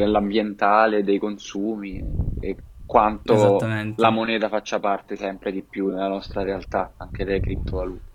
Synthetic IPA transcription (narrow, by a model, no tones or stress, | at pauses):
nelːambjent̪aːled̪ːejkonsuːmiḛkːwant̪olamonɛːt̪afat͡ʃːapart̪esɛmpɾed̪ipːjunelanɔst̪ɾaɾealt̪aaŋk̟ed̪ejkɾip̚t̪ovaluːt̪e